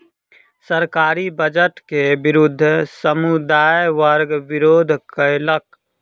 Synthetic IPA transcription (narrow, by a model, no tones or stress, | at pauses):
səɾkaːɾibəd͡ʒəʈkebɪɾʊd̪ʱːsəmud̪aːjʋəɾɡʋɪɾoːd̪ʱkəɪlək